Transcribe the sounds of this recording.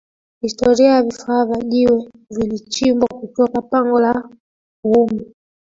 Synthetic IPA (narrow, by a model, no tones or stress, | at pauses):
histɔɾiajavifavaʄiwɛ | vilit͡ʃimbwakutɔkapaŋɡɔla | umu